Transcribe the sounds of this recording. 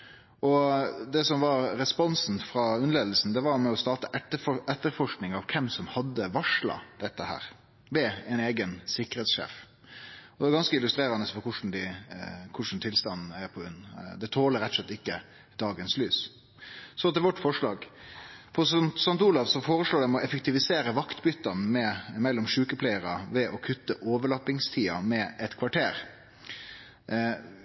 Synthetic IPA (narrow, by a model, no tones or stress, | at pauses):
ʔɔd̪ɛsɔmʋɑɾɾɛspɔnsn̩fɾɑʉnəleːd̪l̩sn̩d̪ɛʋɑɾmɛɔst̪ɑːt̪əʔɛəɛt̪ːəɾfɔʂknɪŋɑʋkʰɛmsɔmhɑd̪ːəʋɑʂɭɑ̰d̪̥ɛt̪ːəhæ̰ːɾ | ʋɛɛɪneːɡənsɪkəɾɛːt̪sʃḛːf | ɔd̪ɛʋɑɾɡɑnskəɪlʉst̪ɾeːɾɑnəsfɔkʰʊʂn̩d̪ɪkʰʊʂn̩t̪ʰɪlst̪ɑnːn̩æɾpʰɔʉnːd̪ɛt̪ʰoːləɾɛt̪ːɔslɛt̪ːɪkːə | d̪̥ɑːɡənslyːs | sɔt̪ʰɪɛlʋɔʈːfɔʂɭɑːɡfʰɔsnsɑnt̪uːlɑʋsɔfoːɾəʂloːɖɛmɛɔʔɛfək̚t̪ɪʋɪseːɾəʋɑkt̪bʏt̪ːɑnmɛmɛlːɔmʂʉːkəpʰlæɪəɾɑʋɛʔɔkʰʉt̪ːəʔoːʋəɭɑpɪŋst̪ʰiːɑmɛʔɛt̪kʰʋɑʈʰeːɾ